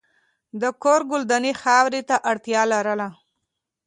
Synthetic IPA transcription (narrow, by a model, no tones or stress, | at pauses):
d̪əkoɾɡʊld̪anixɑwɾit̪aʔaɽt̪jɑlaɾəla